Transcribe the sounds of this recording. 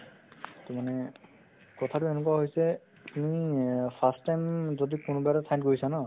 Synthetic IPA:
tɔmanɛ | kɔtʰatuenekuwaɦojsɛ | punipʰastːajmzɔdikʊnubaɾatʰaj̃nkoɹisanɔ

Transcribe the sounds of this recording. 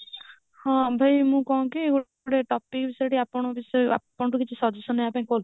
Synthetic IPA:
hɔ̃bʱajmũkɔɦũkieɡu | ɽeʈɔpikbisɔʈiapɔɽ̃ɔbisɔa̰pɔɳɔʈukit͡ʃʰisɔd͡ʒusɔnejapãĩkɔl

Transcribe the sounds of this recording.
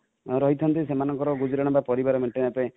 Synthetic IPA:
ɾɔɦit̪ʰɔnt̪isemanɔŋkɔɾɔɡud͡ʒɔɾɔɽ̃ɔbapɔɾibaɾɔmeɳʈenape

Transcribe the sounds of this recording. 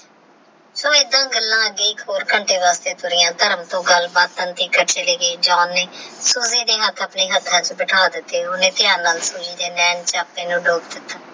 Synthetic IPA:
soːed̪ãːɡəlːãːəɡːeːiːkɦoːɾkəɳʈʰeːʋaːst̪eːt̪ʰʊɾɪjãːt̪əɾəmt̪õːɡəlbaːt̪ːənt̪iːkət͡ʃeːleːɡeːd͡ʒɔːnːeːsuːzeːd̪eːɦət̪ʰːəːpneːɦət̪ʰːãːt͡ʃbɪʈʰaːd̪ɪt̪ːeːʊnẽːt̪ɪjãːnːaːlsuːd͡ʒiːd̪eːnɛːnt͡ʃaːpnẽːnũːɖoːbd̪ɪt̪ːaː

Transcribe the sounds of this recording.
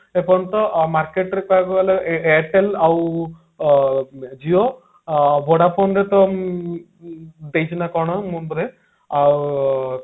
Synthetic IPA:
epɔnt̪ɔmaɾkeʈɾekaakɔɡaleeaʈelaw | d͡ʒio | bʱoɽapʰɔnɾet̪ɔ | d̪ejt͡ʃʰinakɔɽ̃ɔmunb̪ɔɾe | a

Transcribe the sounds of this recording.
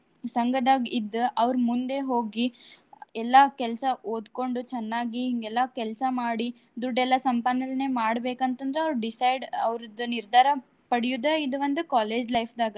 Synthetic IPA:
sɐŋɡɐd̪aːɡid̪ːuʔɐʋɾmund̪e̞ɦoːɡi | ɛlːɐkɛlɐsɐʔoːd̪ko̞ɳɖut͡ʃɛnːaːɡiɦiŋɡɛlːɐkɛlsɐmaːɽi | d̪uɖɛlːɐsɐmpanːɐlne̞ːmaːɽbeːkɐnt̪ɐnd̪ɐɾeɐʋɾɖisɐjɖɐʋɾud̪uniɾd̪ʱaːɾɐ | pɐɽijud̪ɐid̪ɐʋɐnd̪ukaːleːd͡ʒlɐjpʰd̪aːɡɐ

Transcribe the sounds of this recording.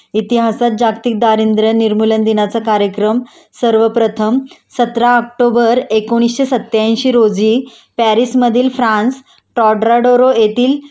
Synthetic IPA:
it̪iɦasat̪̚d͡ʑakt̪ik̚d̪aɾind̪ɾəniɾmulənd̪inat͡sakaɾjəkɾəm | səɾʋəpɾət̪ʰəmsət̪ɾaək̚ʈobəɾekoɽ̃isɕesət̪ːjãɕiːɾod͡ziː | pæɾisməd̪ʱiːlfɾãns | ʈɔɖɾaɖoɾojet̪iːl

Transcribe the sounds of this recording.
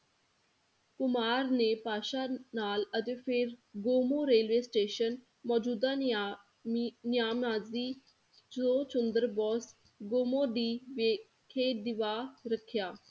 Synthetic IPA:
kʊmaːɾneːpaːʃaːnaːlət̪eːpʰɪɾɡoːmõːɾeːlʋeːsʈeːʃən | mɔːd͡ʒuːd̪aː | nɪjaːmaːziː | d͡ʒoːt͡ʃʊnd̪əɾbɔːs | ɡoːmõːɖiːʋeː | kʰeːd̪ɪʋaːɾəkʰjaː

